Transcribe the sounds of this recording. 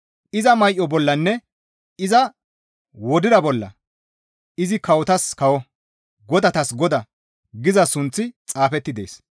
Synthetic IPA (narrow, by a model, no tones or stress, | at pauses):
ʔɪzɐmɐjʔɔbɔlːɐnːɛ | ɪzɐ | wɔd̪ɪd̪ɐbɔlːɐ̰ | ɪzɪkɐwɔt̪ɐskɐwɔ | ɡɔd̪ɐt̪ɐsɡɔd̪ɐ | ɡɪzɐsʊnt͡sːɪt͡sʼaːfɛt̪ːɪd̪e̞̰ːs